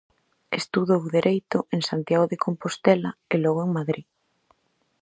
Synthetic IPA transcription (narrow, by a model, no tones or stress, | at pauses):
est̪uðowðeɾʔejt̪ʊʔeŋsant̪jaɣoðekʰompost̪ɛlaelɔɣoeŋmaðɾi